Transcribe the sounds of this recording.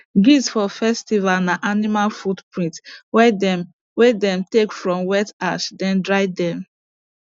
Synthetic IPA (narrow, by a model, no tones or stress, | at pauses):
ɡisfɔfɛstivalnaʔanimalfutpɹĩntwɛ | wɛdɛ̃mtekfɹɔ̃mwɛtaʃdɛ̃ndɹajdɛ̃m